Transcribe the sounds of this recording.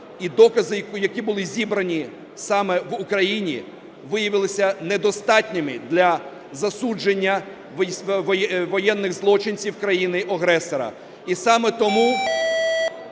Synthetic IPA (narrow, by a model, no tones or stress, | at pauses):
id̪ɔkɐzɪjɐkʲibʊlˠɪzʲibɾɐnʲi | sɑmɛʋukɾɐjinʲḭ | ʋɪjɐʋɪlˠɪsʲɐnɛd̪ɔst̪ɑtʲnʲɪmɪd̪lʲɐ | zɐsud͡ʒenʲːɐ | ʋɔjɛnːɪɣzlˠɔt͡ʃɪnʲt͡sʲiwkɾɐjinɪʔɐɦɾɛsɔɾɐ̰ | isɑmɛt̪ɔmu